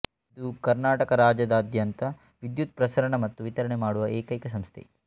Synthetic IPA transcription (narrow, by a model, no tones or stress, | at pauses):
id̪ukɐɾnaːʈɐkɐɾaːd͡ʒɐd̪ɐd̪ʱjɐnt̪ɐ | ʋid̪jut̪̚pɾɐsɐɾɐɳɐmɐt̪ːuʋit̪ɐɾɐɳemaːɽuʋɐɛːkɐjkɐs̬ɐmst̪ʰḛ